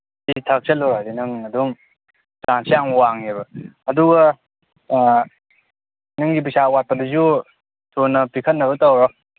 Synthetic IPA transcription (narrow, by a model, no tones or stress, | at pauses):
ditʰɐk̚sʰelɔɾadinɯŋɐduŋ | saŋsijaŋwaŋeβɐɐduɡɐ | nɯŋɡibisawat̚pɐdɐzu | tʰonːɐpikʰɐtnːɐβɐtɐwɾɔ